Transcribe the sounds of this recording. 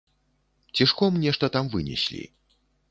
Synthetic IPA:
t͡sʲiʂkɔmnʲɛʂt̪ɐt̪amvɨnʲḭsʲlʲḭ

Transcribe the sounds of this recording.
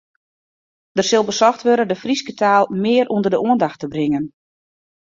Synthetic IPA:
d̥ərsɪlˠbəsɔxtʋøɾədəfriskətʰaːlˠmɪːɾʔundərdəʔuəndaxtəbrɪŋən

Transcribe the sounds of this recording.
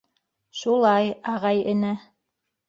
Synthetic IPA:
ʃulˠɑjɑʁɑjɘ̆næ

